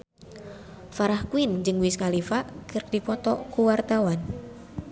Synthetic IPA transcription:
faɾahkuind͡ʒɨŋwiskalifaʔkɨrkdipɔt̪ɔkuwart̪awan

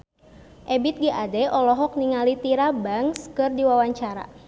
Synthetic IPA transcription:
ʔɛbit̪̚ɡiʔadɛɔlɔɦɔk̚niŋalit̪iɾabaŋskɨrdiwawaɲt͡ʃaɾa̰

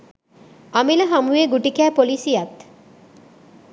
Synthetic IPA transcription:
amilɐɦamueɡuʈikæːpolisijat̪

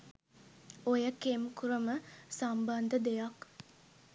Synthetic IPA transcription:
ojəkemkuɾəməsamband̪əd̪ejak

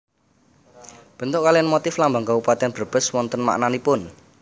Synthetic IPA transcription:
b̥ə̤nt̪ʊʔkalianmot̪ɪflambaŋkawupat̪ɛnb̥ərb̥ə̤swɔnt̪ənma̰ʔnanipʊn

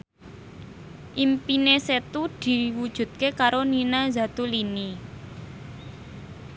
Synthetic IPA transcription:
ʔimpineset̪ud̪̥i̤wud̥ʒ̥ṳt̪̚kekaɾoninazat̪ulini

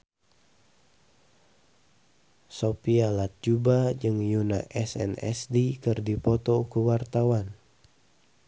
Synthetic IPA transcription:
sopialat̪̚d͡ʒubad͡ʒɨŋjuna̰ʔɛsɛ̰nɛ̰sdikɨrdipɔt̪ɔkuwart̪awan

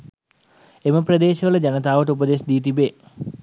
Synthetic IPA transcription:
eməprəd̪eːʃəʋələd͡ʑanət̪aːʋəʈ̬əupəd̪esd̪iːt̪ibeː

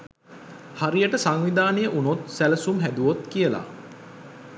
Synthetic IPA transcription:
haɾijəʈəsaŋʋid̪aːnejəʔunot̪sæləsumɦæd̪uʋot̪kijəla̰

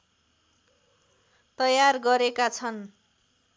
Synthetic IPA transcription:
t̪ʌjarɡʌɾekat͡sʰʌn

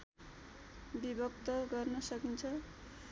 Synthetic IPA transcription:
bibʌkt̪ʌɡʌrnʌsʌkint͡sʰʌ

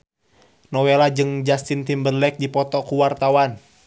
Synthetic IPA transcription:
nɔwelad͡ʒɨŋd͡ʒast̪int̪imbərlɛk̚dipɔt̪ɔkuwart̪awan

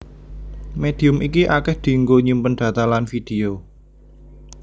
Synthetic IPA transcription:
med̪̥i̤ʊmikiʔakɛhd̪̥i̤ŋɡoɲumpənɖ̪̥ä̤t̪alanfid̪̥e̤o

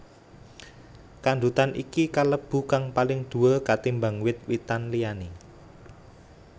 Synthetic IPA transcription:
kand̪ut̪anḭkikaləb̥ṳkaŋpalɪŋd̪̥ṳəkat̪imbaŋwɪt̪̚wit̪anlijani

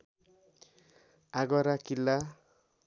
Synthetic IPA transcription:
aɡʌɾakilːa

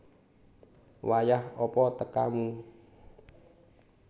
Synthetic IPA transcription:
wajahɔpɔt̪əka̰mu

